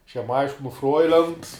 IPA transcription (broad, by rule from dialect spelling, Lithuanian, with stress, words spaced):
ɐʃ jɛm ˈɐɪʃʲkʲɪnʊ ˈfroːɪlʲɛnt